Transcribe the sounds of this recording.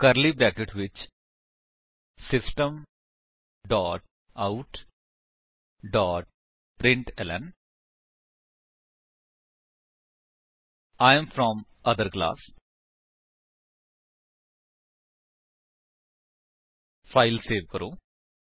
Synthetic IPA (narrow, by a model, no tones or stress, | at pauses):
kɐɾlibɾɛːkeʈʋɪt͡ʃ | sɪsʈə̃m | ɖɔːʈ̚ | aʊʈ | ɖɔːʈ̚ | pɾɪ̃ɳʈɛlə̰̃n | aɪ̃mfɾɔ̃mɐd̪əɾkla̰ːs | faɪlseːʋkəɾõː